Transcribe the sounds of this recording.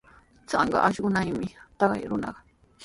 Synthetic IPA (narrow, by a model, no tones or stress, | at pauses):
t͡sɑɴɢɑ̰ʔaʃɢʊnajmɪt̪ɑɢɑ̰jɾʊnɑ̰ɢɑ